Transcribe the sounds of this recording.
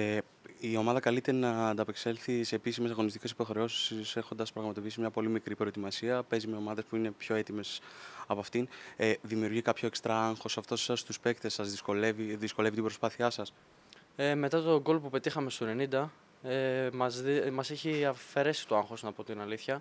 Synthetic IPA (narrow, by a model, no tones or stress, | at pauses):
io̞mɐðɐkɐlit̪e̞ɾɐnɐːnd̪ɐpekse̞lθise̞ːpisime̞sɐɣo̞nist̪ice̞si̥po̞xɾe̞o̞si̥ssexond̪ɐspɾɐɣmɐt̪o̞piisimɲɐpo̞limikɾipɾo̞et̪imɐsiɐpe̞zime̞o̞mɐðe̞spuine̞pço̞e̞t̪ime̞sɐpɐft̪ineðimiuɾʝikɐpço̞ekst̪ɾɐɐŋxo̞sɐft̪o̞sɐst̪uspe̞kt̪e̞sɐzðiskoleviðisko̞le̞vit̪ibɾo̞spɐθiɐsɐs | eme̞t̪ɐt̪o̞ɡo̞lopupe̞t̪ixɐme̞st̪one̞nind̪ɐ | emɐzmɐseçiɐfe̞ɾe̞si̥t̪oɐŋxo̞snɐpo̞t̪inɐliθçɐ